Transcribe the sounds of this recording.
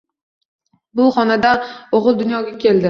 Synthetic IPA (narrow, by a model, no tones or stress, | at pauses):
bʊχɒnad̪aoʁɨlˠd̪ʊnjɒɡʲakʲʰe̞ld̪ɪ